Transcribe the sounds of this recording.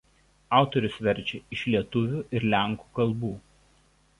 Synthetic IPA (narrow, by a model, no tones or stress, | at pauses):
ɑˑʊt̪ɔɾʲʊsʋʲɛɾʲˑt͡ʃʲɛɪʃʲlʲiɛt̪ʊʋʲuːˑʔɪɾlʲæˑŋku̥ːkɐlˠbuː